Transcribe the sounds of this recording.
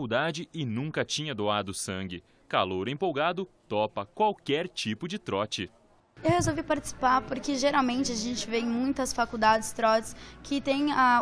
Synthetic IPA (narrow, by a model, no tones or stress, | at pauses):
uwd̪ad͡ʒɪɪnũkɐt͡ʃĩɲɐd̪oad̪ʊsɐ̃ŋɡɪ | ka̰loɾẽpowɡad̪ʊt̪ɔpɐkwawkɛɾt͡ʃipʊd͡ʒɪt̪ɾɔt͡ʃɪ | ewhezowvipaɾt͡ʃɪ̥si̥paɾpoɾkɪʒeɾawmẽnt͡ʃɪaʒẽnt͡ʃɪveẽmũj̃t̪ɐsfakuwd̪ad͡ʒɪst̪ɾɔt͡ʃɪskʰɪt̪ẽj̃a